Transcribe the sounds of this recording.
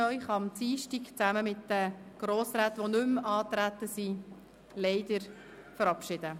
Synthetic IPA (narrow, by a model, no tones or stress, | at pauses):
œʏχɑmt͡siːʃtikt͡sæməmɪt̚d̥əɡ̥ɾoːsraːt̪ʋonɵmɑːt̪ɾæt̪əsi | lɛɪd̪əɾ | fəɾɑpʃɪd̥̪ə